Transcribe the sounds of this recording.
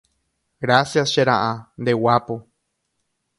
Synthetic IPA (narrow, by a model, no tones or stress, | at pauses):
ɡɾasjasʃeɾa̰ʔand̪ewapo